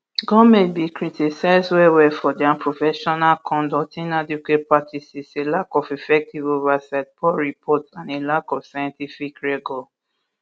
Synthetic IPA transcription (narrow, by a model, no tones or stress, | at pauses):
ɡɔmẽbikɹitʰisaɪzwɛwɛfɔdiãpʰɹofɛʃɔnalkʰɔ̃ndɔtĩnadukwet̚patʰisiselakɔfifɛk̚tivovasaɪt̚pʰɔɹipʰɔtãnelakɔfsajɔ̃ntifikɹɛɡɔ